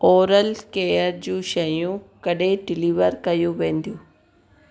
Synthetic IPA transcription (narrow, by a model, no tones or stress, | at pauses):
oːɾəlkeːjəɾd͡ʑũːʃɐjũkɐɗeɖɪliːʋəɾkɐjũʋẽːn̆d̪ijũː